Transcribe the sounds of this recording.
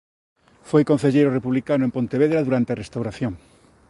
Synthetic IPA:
fojkon̟θeʎejɾorepuβlikanʊempont̪eβ̞eðɾaðuɾant̪earest̪awɾaθjoŋ

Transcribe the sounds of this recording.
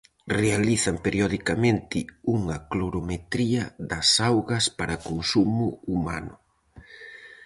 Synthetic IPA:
realiθɐmpeɾjoðikamẽnt̪ɪuŋɐkloɾomet̪ɾiɐðɐsawɣɐspaɾɐkonsumʊuma̰nʊ

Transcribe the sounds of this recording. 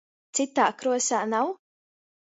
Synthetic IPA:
t̪sit̪aːkɾuɔsʲaːnaw

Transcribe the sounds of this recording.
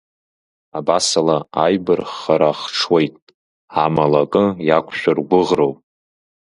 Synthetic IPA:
abasalaajbɨrχaɾaχʈ͡ʂʰwe̞jtʼ | amalakʼɨjakʷʰʼʃᶣarɡʷʊʁrowpʼ

